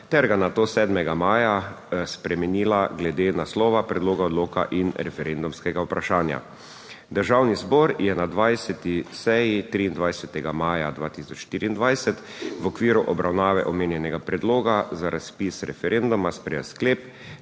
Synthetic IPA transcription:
t̪ɛɾɡanat̪oːsɛːd̪mɛɡamaːjaspɾɛmɛniːlaɡlɛd̪enaslɔːʋapɾɛd̪loːɡaɔd̪loːka̰ʔinɾɛfɛɾend̪umskɛɡaupɾaʃaːnja̰ | d̪əɾʒawnizbɔɾjɛnad̪ʋajsɛt̪isɛjit̪ɾiːnd̪ʋajsɛt̪ɛɡamaːjad̪ʋaːt̪isɔt͡ʃʃt̪iːɾiːnd̪ʋajsɛt̪ʋɔkʋiːɾuʔɔbɾʔawnaːʋɛʔɔmeːnjɛnɛɡapɾɛd̪loːɡazaɾʔaspisɾɛfɛɾʔend̪umaspɾɛskleːp

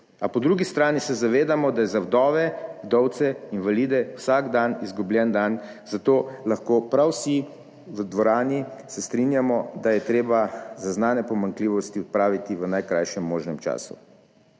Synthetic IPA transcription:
apɔd̪ɾuɡist̪ɾaːnisɛzaʋeːd̪amɔd̪ajɛzawd̪ɔːʋɛwd̪ɔwt̪sɛinʋaliːd̪ɛwsaɡd̪anizɡublʲjɛnd̪an | zat̪oːlaxkoːpɾawsi | ʋəd̪ʋɔɾaːnisɛst̪ɾinjamɔd̪ajɛt̪ɾeːbazaznaːnɛpɔmaŋkliːʋɔst̪iɔt̪̚pɾaːʋit̪iʋənajkɾajʃɛmːoːʒnɛmt͡ʃa̰ːsṵ

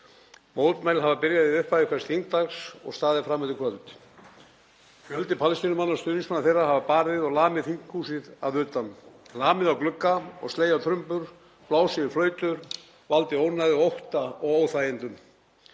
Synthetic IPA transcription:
moːwt̪majlɦavapɪɾjaðiðʏhpajðɪkʰvaɾ̥st̪hiŋkt̪axsɔ̰ɣst̪aːðɪfɾamːœt̪ɪkʰvœlʏt̪ | fjœlt̪ɪpʰalst̪inʏmanːast̪ʏːniŋsmanaθejrːahavapaːɾðɪðɔɣlaːmɪðhiŋkhuːsɪða̰ðʏːt̪amlaːmɪðawklʏkːaɔ̰ɣst̪leːjawt̪ʰɾʏmpʏɾ | plaːwsɪðɪflœːɥt̪ʏɾ | valt̪ɪownajðɪowht̪aɔɣoːwθajɪnt̪ʏm

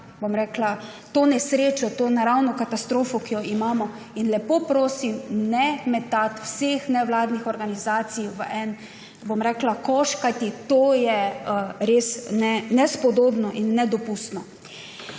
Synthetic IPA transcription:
bomɾɛːkla | t̪oːnɛsɾeːt͡ʃɔt̪oːnaɾawnɔkat̪ast̪ɾoːfɔkijɔimaːmɔ | inlɛpoːpɾoːsimnɛmɛt̪at̪wsexnɛʋlaːd̪nixɔɾɡanizaːt̪sijʋəʔɛn | bomɾɛːklakɔːʃkajt̪it̪oːjɛəɾesnɛnɛspɔd̪oːbnɔʔinːɛd̪ɔpust̪nɔ

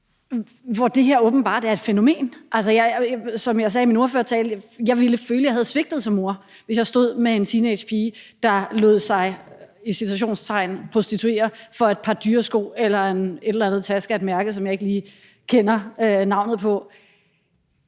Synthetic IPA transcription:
ʋɒd̥e̝ɦeɐ̰ɔ̽ːb̥n̩b̥ɑ̈ːd̥eæɐe̝d̥feno̝me̝̰ːnʔælsɐjɑɪsɒ̽mjɑ̈ɪs̬ɛːimino̝ɐfø̰ɐt͡sʰɛːljɑ̈ɪʋiləføːləjɑ̈ɦæð̞ˠsʋe̝ɡ̥̚d̥ð̩ˠsɒ̽mːo̝ɐ̰ʋe̝sjɑ̈ɪsd̥o̝ð̰ˠmee̝nt͡sʰined̥ɕpʰiːd̥ɑ̈lɔ̰ð̰ˠsɑ̈ɪisit͡sʰuæɕ̬o̝̰ːnst͡sʰɑ̈ɪ̰npʰʁo̝sd̥it͡sʰue̝̰ːɐfɒ̽ed̥̚pʰɑ̈d̥yːɐsɡ̥o̝̰ːelɐene̝ɾelænð̩ˠt͡sʰæsɡ̥æd̥mæɐɡ̥əsɒ̽mjɑ̈ɪe̝ɡ̥liː | kʰenɐønɑ̈ʊ̰nð̩ˠpʰɒ̽

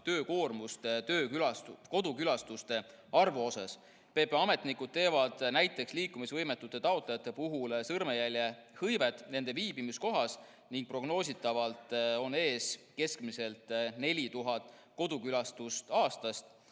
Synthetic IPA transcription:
t̪ø̞ːko̞ːrmust̪t̪ø̞ːkylɑko̞d̪ukylɑst̪ust̪e̞ | ɑrvuo̞sɑ̰s | pe̞ːpeɑme̞t̪nikud̪̥̚t̪e̞ːvɑd̪̥næjt̪ːˑe̞ksliːkːˑumisvɤjmet̪ːˑut̪ːˑe̞t̪ɑot̪lejɑt̪ːˑe̞puɦulsɤrmejælʲjehɤjve̞t̪ːˑne̞nd̪̥e̞viːbimisko̞ɦɑs | niŋɡ̥̚pro̞ɡno̞ːs̬ʲit̪ːˑɑvɑlt̪ˑo̞ne̞ːske̞skmise̞lt̪ˑne̞lʲit̪uɦɑt̪ˑ | ko̞d̪̥ukylɑst̪ust̪ɑːst̪ɑst̪

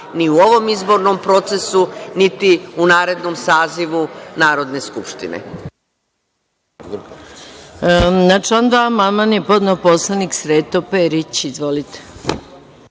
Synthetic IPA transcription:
niuo̞ʋomizbo̞ɾnompɾo̞t̪se̞sunit̪iunaːɾe̞d̪nomsaːziʋunaːɾo̞d̪neskupʃt̪ḭnḛ | nat͡ʃond̪amamanjepod̪noposlˠaniksɾet̪opeɾit͡ɕizʋo̞lit̪e̥

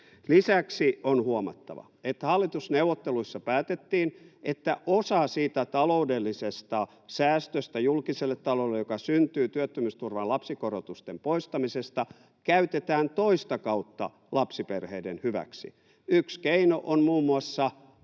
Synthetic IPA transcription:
lisæksionhuomɑ̰t̪ːɑ̰ʋɑ̰et̪hɑlːit̪usneuwʋːˑot̪ːeluisːɑpæːt̪et̪ːiːnʔet̪ːæʔosɑsiːt̪æt̪ɑloudelːisest̪ɑ | sæːst̪øst̪æjulkiselːet̪ːɑlolːejokɑsynt̪yːt̪yøt̪ːømyst̪urʋɑlɑpsikorot̪ust̪empoist̪ɑmisest̪ɑ | kæyt̪et̪æːnt̪oist̪ɑkɑut̪ːɑ̰ | lɑpsiperheidenhyʋæ̰ksḭ | ykskeinoʔonmuːmːuɑsːɑ

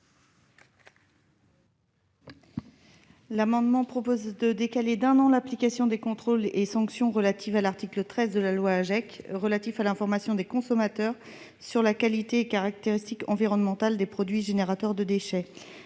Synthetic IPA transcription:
lamɑ̃d̪mɑ̃pχɔpozd̪əd̪ekaled̪ɛ̃nɑ̃laplikasjɔ̃d̪ekɔ̃t̪χolesɑ̃ksjɔ̃ʁəlat̪ʰivalaʁt̪iklət̪χɛzd̪əlalwaːʒɛkʁəlat̪ifalɛ̃fɔʁmasjɔ̃d̪ekɔ̃sɔmat̪œʁ | syʁlakalit̪eːkaʁak̚t̪eʁist̪ikɑ̃viʁɔnmɑ̃t̪ald̪epχɔd̪ɥiʒeneʁat̪ɛʁd̪əd̪eʃɛ

